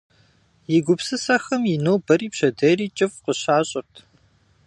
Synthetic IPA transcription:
jɪɡʷʊpsɨsɐxɐmjɪnoːwbɐɾiːpɕɐdɐriːt͡ʃʼɪfqəɕaːɕʼɪrtʰ

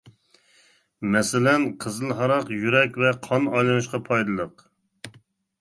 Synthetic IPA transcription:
mɛsɪlɛnqʰəzɨlˠɦɑɾɑqjyɾɛkʲvɛqʰɑnɑjlˠɨnɨʃqɑpʰɑjd̪ɨlˠəq

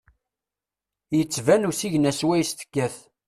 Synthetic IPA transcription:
jət͡sːvænusiʝnæswæjst̪ə̥kːæθ

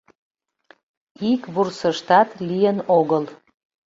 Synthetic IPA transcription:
ikβursəʃt̪ɑt̪lijənoɣəl

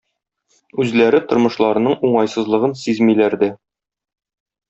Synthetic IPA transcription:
ʉzlæɾɘt̪ŏɾmɤ̆ʃlˠɑɾɤ̆nɤɴuɴɑjsɤ̆zlˠɤ̆ʁɤnsizmilæɾd̪ɘ

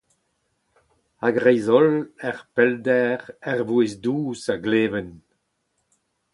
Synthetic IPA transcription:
aɡʁɛjzɔlɛʁpɛldɛʁɛʁvuezduːsaɡleːvən

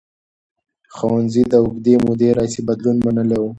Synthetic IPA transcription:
xawanzid̪əʊɡd̪emud̪eɾɑisebad̪lunmanəlewu

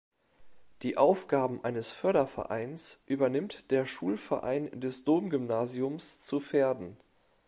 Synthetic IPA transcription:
d̥iːʔaʊfɡ̥aːbm̩ʔaɪnəsfœɐɾɐfɛ̰ɐʔa̰ɪnsʔyːbɐnɪmtd̥eːɐʃuːlfɛɐʔa̰ɪndɛsd̥oːmɡymnaːziʊmst͡sufeːɐdn̩

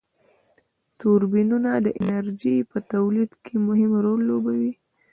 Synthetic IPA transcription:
t̪uɾbinunad̪əʔɪnaɾd͡ʒipət̪awlid̪kʰemʊhɪmɾolːobawi

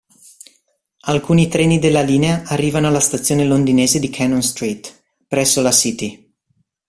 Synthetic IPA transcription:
alkuːnit̪ɾɛːnid̪elːaliːneaʔːrːiːvanoalːast̪at̪sːjoːnelond̪ineːzed̪ikʰanonst̪ɾiːt̪ | pɾɛsːolasit̪i

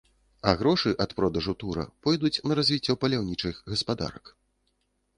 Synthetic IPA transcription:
ɐɣɾɔʂɨʔɐt̪pɾɔd̪ɐʐut̪uɾɐ̰pɔjd̪ut͡sʲnɐɾazʲvʲit͡sʲːɔpɐlʲawnʲit͡ʂɨxɣɐspad̪a̰ɾɐ̰k

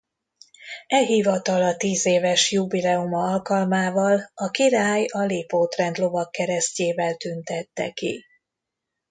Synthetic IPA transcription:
ɛlɦivɒt̪ɒlɒt̪iːzeːvɛʃjubilɛumɒɒlkɒlmaːvɒlɒkiɾaːjɒleːpoːt̪rɛnd̪lo̞vɒkːɛɾɛsceːvɛlt̪ynt̪ɛt̪ːɛ̰kḭ

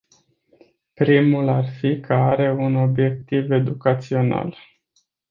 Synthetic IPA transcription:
pɾimularfikʰəaɾe̞uno̞bje̞k̚t̪ive̞d̪ukat̪sio̞na̰l

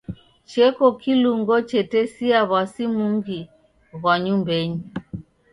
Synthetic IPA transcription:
t͡ʃɛkɔkiluŋɡɔt͡ʃɛtɛsiaβasimuŋɡi | ɣwaɲumbɛɲi

